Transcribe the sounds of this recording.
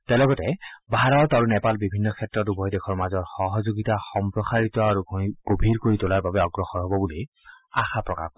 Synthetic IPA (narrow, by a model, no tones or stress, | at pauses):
tɛlɔɡɔtɛbʱaɹɔɹtɔɹunɛpalbibʱinːɔkʰɛtɹɔtubʱɔjdekʰɔɹmazɔɹxɔɦɔzoɡitaxɔmpɹɔsaɹitɔaɹuɡʱɡ̥obʱiɹkoɹitʊlaɹbabɛɔɡɹɔxɔɹɦɔbɔbuli | a̰xapɹɔka̰p